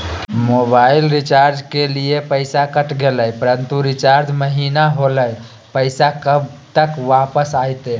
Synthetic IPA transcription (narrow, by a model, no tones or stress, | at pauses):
mobailɾit͡ʃaɾd͡ʒkeliepəɪsakəʈɡeləjpəɾənt̪uɾit͡ʃaɾd͡ʒməɦinaɦoləj | pəjsakəbt̪əkʋapəsajt̪e